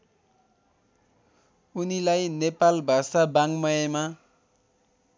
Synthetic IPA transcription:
unilajnepalbʱasabaŋmʌjema

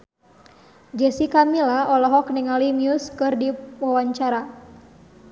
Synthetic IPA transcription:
d͡ʒɛsikamilaɔlɔɦɔkniŋalimiuskɨrdiwawaɲt͡ʃaɾa

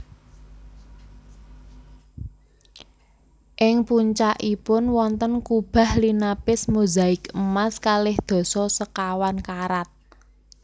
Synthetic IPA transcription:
ʔɪŋpuɲt͡ʃaʔipʊnwɔnt̪ənkub̥a̤hlinapɪsmuzaɪkəmaskalɪhd̪̥ɔ̤sɔsəkawankaɾat̪̚

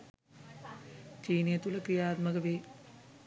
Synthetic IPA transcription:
t͡ʃiːnijet̪uləkɾijaːt̪məɡəʋeː

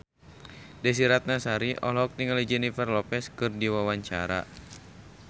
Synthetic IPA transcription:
dɛs̬iɾat̪̚nasaɾiʔɔ̰lɔɦɔk̚niŋalid͡ʒɛnifɛrlɔpɛskɨrdiwawaɲt͡ʃa̰ɾa̰

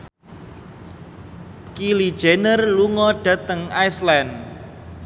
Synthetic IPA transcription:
kilid̥ʒ̥enərluŋɔɖ̥a̤t̪əŋajslan

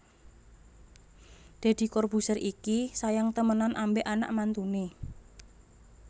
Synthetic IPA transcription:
d̪̥e̤d̪̥i̤kɔrbusərʔikisajaŋt̪əmənanʔambeʔana̰ʔmant̪une

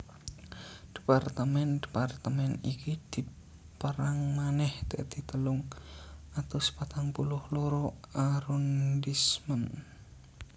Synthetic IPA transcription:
d̪̥i̥part̪əmɛnd̪̥i̥part̪əmɛnikid̪̥i̤ | pəɾaŋmanɛhd̪ə̰ʔd̪̥i̤t̪əlʊŋʔat̪asə̥pat̪aŋpulʊhlɔɾɔʔaɾɔndismən

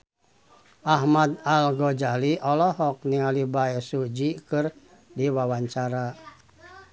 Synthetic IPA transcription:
ʔaɦmad̪alɡɔd͡ʒaliʔɔlɔɦɔk̚niŋalibaɛsud͡ʒikɨr | diwawaɲt͡ʃaɾa

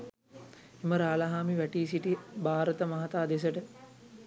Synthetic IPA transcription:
iməɾaːlaɦaːmiʋæʈiːs̬iʈibʱaːɾət̪əmɐɦat̪aːd̪es̬əʈə

